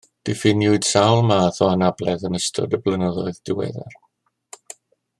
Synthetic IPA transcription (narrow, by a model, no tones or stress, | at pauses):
d̥ɪfɪnjʊɨd̥sawlˠmaːθɔanablˠɛðənəstʰɔ̰dəblˠənəðɔɨðd̥ɪwɛ̰ðɛ̰r